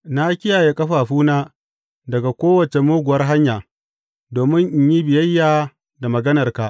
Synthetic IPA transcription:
na˦kʲɪ˦jaː˨je˦kʼɐ˦ɸaː˨ɸuː˦naː˦ | dɐ˨ɡa˨kʷoː˦wɐ˨t͡ʃe˨moː˦ɡʷʊ˨wɐ˦rɦa˦ɲjaː˨ | doː˨mɪ˦ŋʔɪ˨ɲji˦bɪ˨jɐ˦jːaː˨ | da˨mɐ˨ɡɐ˦nɐ˨rka˨ʔ

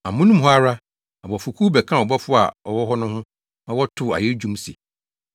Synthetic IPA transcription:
a˨mʊ̃˦nũ˦mɦɔ˦a˦ɾa˦ | a˨bɔ˨fʊ˨kʰu˦bɛ˨kʰã˦˨ɔ˨bɔ˦fʊ˦a̰˨ɔ˨wɔ˦ɦɔ˦nʊ̃˦hʊ̃˦ | nã˦wɔ˦tʰʊ˦˨a̰˨je˦d͡ʑᶣũ˦msḭ˨

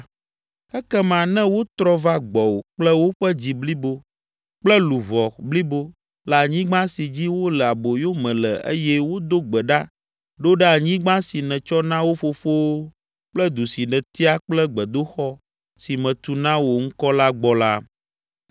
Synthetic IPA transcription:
ɛ˦kɛ˦mã˨nɛ̃˦wo˦t̪ɾɔ˦va˦ɡ͡bɔ˨wo˨k͡plɛ˦wo˦ɸɛ˦d͡ʑi˨bli˦bo˦ | k͡plɛ˦lu˨vɔ˨bli˦bo˦ | la˨ɲĩ˦ɡ͡bã˦si˨d͡ʑi˦wo˦lɛ˨a˨bo˨jo˦mɛ̃˨lɛ˨ḛ˦jɛ˦wo˦d̪o˦ɡ͡bɛ˨ɖa˦ | ɖo˦ɖɛ˦a˨ɲĩ˦ɡ͡bã˦si˨nɛ̃˨t͡ʃɔ˦nã˦wo˦fo˦fo˦w | k͡plɛ˦d̪u˨si˨nɛ̃˨t̪i˦a˦k͡plɛ˦ɡ͡bɛ˨d̪o˦xɔ˦ | si˨mɛ̃˨t̪u˨nã˦wo˨ŋ̩˦kɔ˦la˦ɡ͡bɔ˦la˦

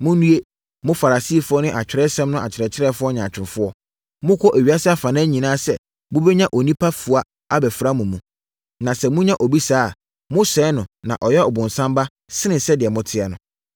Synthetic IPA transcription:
mʊ̃˦nũ˦e˦ | mʊ̃˦fa˨ɾa˨si˦˨fʊ˦ɔ˦nʊ̃˦ʔa˨t͡ɕᶣɪ˨ɾɛ˦sɛ̃˦mnʊ̃˦ʔa˨t͡ɕʰɪ˨ɾɛ˨t͡ɕʰɪ˦ɾɛ˦fʊ˦ɔ˦ɲã˨t͡ɕᶣɪ̃˨nfʊ˦ɔ˦ | mʊ̃˦kʰʷɔ˦ʔæ˨ɥi˨˦a˦sɪ˦a˦fa˨nã˦ɲĩ˨nãː˦sɛ̰˨ | mʊ̃˦bɛ˦ɲã˦ʔo˨nĩ˦pʰa˦fu˨a˦ | a˦bɛ˨fɾa˦mũ˨mũ˨ | nã˨sɛ˦mʊ̃˦ɲã˦ʔo˨bi˦saː˦˨ | mʊ̃˦sɛ˨˦nʊ̃˨nã̰˨ʔɔ˨jɛ˦ɔ˨bʊ̃˨n˨sã˦mba˦ | sɪ˦nɪ̃˨sɛ˦dɪ˨ɛ˨mʊ̃˦tʰɪ˦ɛ˨nʊ̃˨

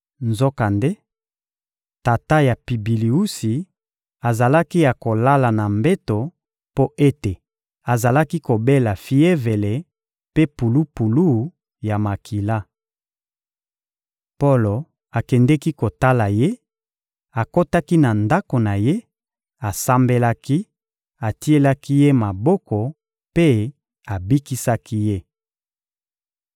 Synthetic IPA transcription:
nzo˦ka˨nde˦ | ta˨ta˦ja˨pi˨bi˨li˨u˦si˨ | a˨za˨la˦ki˦ja˨ko˨la˦la˨na˨mbe˦to˨ | po˦ʔe˦te˨ | a˨za˨la˦ki˦ko˨be˦la˨fi˦e˦ve˨le˨ | pe˦pu˨lu˦pu˨lu˦˨˦ | ja˨ma˨kʰi˨la˦ | po˦lo˨ | a˨kɛ˨ndɛ˦ki˦ko˨ta˦la˨je˦ | a˨ko˦ta˦ki˦na˨nda˦ko˨na˨je˦ | a˨sa˦mbe˦la˦ki˦ | a˨ti˦e˦la˦ki˦je˦ma˨bɔ˦kɔ˨ | pe˦ | a˨bi˦ki˦sa˦ki˦je˦

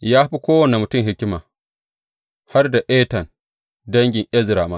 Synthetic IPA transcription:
jaː˦ɸi˦kʷoː˦wɐ˨nɛ˨mʊ˨tʊ˦˨mɦɪ˦kʲɪ˦maː˨ | ha˦rda˨ʔeː˦tɐ˨n | dɐ˦ŋɡʲɪ˨ŋʔɛ˦zɾaː˨maː˦

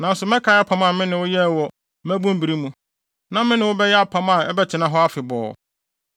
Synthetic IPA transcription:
nã˨n̩˦sʊ˨mɛ̃˦kʰa˨˦a˦pʰã˦mã˨mɪ̃˦nɪ̃˨wʊ˦jɛ˦˨wɔ˨ | mæ˦bũ˦m˦bi˨ɾi˦mũ˦ | nã˦mɪ̃˦nɪ̃˨wʊ˦bɛ˦jɛ˦a˦pʰã˦mã˨ɛ˦bɛ˦t͡ɕʰɪ˨nã˦ɦɔ˦a˦fɪ˨bɔ̰ː˨

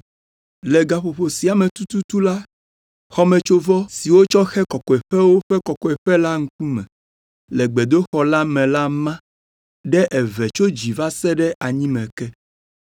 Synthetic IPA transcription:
lɛ˨ɡa˨ɸo˨ɸo˨si˨a˨mɛ̃˨t̪u˦t̪u˦t̪u˦la˦ | xɔ˦mɛ̃˨t͡ʃo˦vɔ˦si˨wo˦t͡ʃɔ˦xɛ˦kɔ˨kɔ˨ɛ˨ɸɛ˦wo˦ɸɛ˦kɔ˨kɔ˨ɛ˨ɸɛ˦la˦ŋ̩˦ku˦mɛ̰̃˨ | lɛ˨ɡ͡bɛ˨d̪o˦xɔ˦la˦mɛ̃˨la˦mã˦ | ɖɛ˦ʔɛ˨vɛ˨t͡ʃo˦d͡ʑi˨va˦sɛ˦ɖɛ˦a˨ɲĩ˦mɛ̃˨kɛ˦

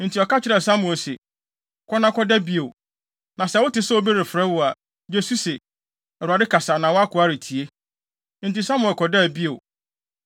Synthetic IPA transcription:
n̩˨tʰi˨ɔ˨ka˦t͡ɕʰɪ˦ɾɛ˨sa˦mʊ̃˨ɛ˨se˨ | kʰɔ˦nã˦kɔ˦dɛ˦bi˦e˨ | nã˨sɛ˦wʊ˦tɪ˦sɛ˦o˦be˦ɾe˨fɾɛ˦wʊ˨a˨ | d͡ʑe˦su˦se˨ | ɛ˨ɾa˨dɪ˦kʰa˨saː˨nã˨wɔ˦a˦kʰʊ˨a˦ɾɪ˨tʰi˨e˦ | n̩˨ti˨sa˦mʊ̃˨ɛ˨kʰɔ˨dɛ˦˨bi˦e˨w

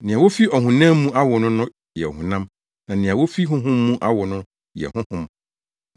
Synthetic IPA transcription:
nɪ̃˨a˨wo˦fi˦ɔ˨ɦũ˨nã˦mː˦ũ˦ʔa˦wɔ˨nʊ̃˦nʊ̃˦ | jɛ˨ɔ˨hʊ̃˨nã˦m | nã˨nɪ̃˨a˨wo˦fi˦ɦʊ̃˦ɦʊ̃˦mː˦ũ˦ʔa˦wɔ˨nʊ̃˦ | jɛ̰˨hʊ̃˦hʊ̃˦m

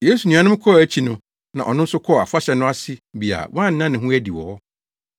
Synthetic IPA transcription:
je˦su˨nũ˨a˨nɪ̃˦m˦kʰɔ˦˨æ˦t͡ɕʰi˦nʊ̃˦ | nã̰˨ʔɔ̰˨nʊ̃˦n̩˦sʊ˦kʰɔ˦˨a˨fʊ˦a˦ɕɛ˨nʊ̃˦a˦sɪ˦bi˨a̰˨wʔã˦˨n̩˨˦nã˦nɪ̃˨ɦʊ̃˦æ˦di˨wɔ̰˨ɔ˦

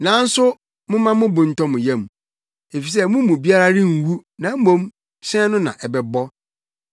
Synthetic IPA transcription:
nã˨˦n̩˦sʊ˦ | mʊ̃˦mã˦mʊ̃˦bʊ̃˨n̩˨tɔ̃˦mʊ̃˨jɛ̃˦m˨ | e˨fi˨s̬ɛ˦mʊ̃˦mũ˨bi˦a˦ɾa˦ɾɪ̃˦ŋ̩˨wu˦nã˨˦m̩˦mõ˦m | ɕɛ̃˦nʊ̃˦nã̰˨ʔɛ˨bɛ˨bɔ˦

